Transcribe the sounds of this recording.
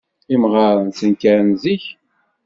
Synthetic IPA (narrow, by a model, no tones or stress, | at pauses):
imʁəɾˤənsənkəɾnziç